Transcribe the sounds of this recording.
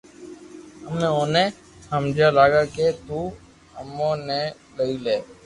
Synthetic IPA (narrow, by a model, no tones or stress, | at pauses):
əmnẽːoːnẽː | həmd͡ʒaːlaːɡaːkeːt̪uː | əmõːneː | ləiːleː